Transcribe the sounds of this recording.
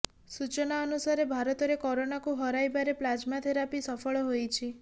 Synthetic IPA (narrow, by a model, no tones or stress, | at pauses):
sut͡ʃɔnaɔnusaɾebʱaɾɔt̪ɔɾekɔɾonakuɦɔɾajbaɾeplad͡ʒmat̪ʰeɾapisɔpʰɔɭɔɦojt͡ʃʰi